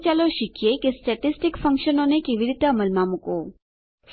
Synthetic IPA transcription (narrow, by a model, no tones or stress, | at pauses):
t͡ɕaloʃikʰijekesʈɛʈisʈikfʰəŋʃɔnonekebiɾit̪aməlmamuko